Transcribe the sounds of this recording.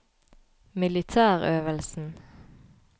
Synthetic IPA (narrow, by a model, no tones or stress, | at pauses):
mɪlɪt̪ʰæːʁøːʋəlsn̩